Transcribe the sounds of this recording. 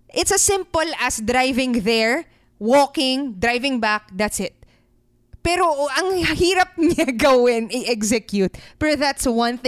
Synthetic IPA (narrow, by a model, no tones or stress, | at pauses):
ʔɪt̪sɐsɪ̃mpolɐsd̪ɾajvɪ̃ŋðɛɹ | woːkɪŋd̪ɾajvɪ̃ŋbak̚d̪ɐt̪sɪt̪̚ | pɛːɾoʔɐŋhiːɾɐp̚ɲaɡɐwɪnɐjʔɛɡsɛkjut̪̚pɛɹoðat̪swɐ̃nθɪ